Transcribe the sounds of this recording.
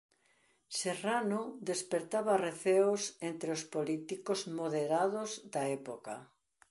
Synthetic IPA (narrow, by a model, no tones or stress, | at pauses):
seranod̪espeɾt̪aβareθeosent̪ɾeospolit̪ikozmoðeɾaðʊzdaɛpoka̰